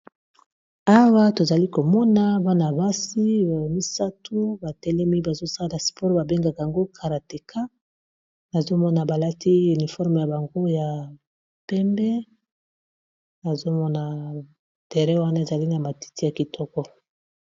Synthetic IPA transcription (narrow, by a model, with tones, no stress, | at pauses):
a˦wa˦to˨za˨li˦ko˨mɔ˦na˦ba˦na˨ba˦si˦˨mi˦sa˦tʰu˦ba˨tɛ˦lɛ˦mi˦ba˨zo˦sa˦la˨la˨spɔ˦ʁba˨be˦ŋɡa˨ka˨a˨ŋɡo˦kʰa˨ʁa˨te˨kʰa˦ | na˨zo˦mɔ˦na˨ba˨la˦ti˦u˨ni˨fɔ˦ʁme˨ja˨ba˨ŋɡo˦ja˨ | pɛ˦mbɛ˦ | na˨zo˦mɔ˦na˨ | d̥e˨ʁɛ˦wa˦na˦e˨za˨li˦na˨ma˨ti̥˦ti˦ja˨ki˨tʰɔ˦kɔ˦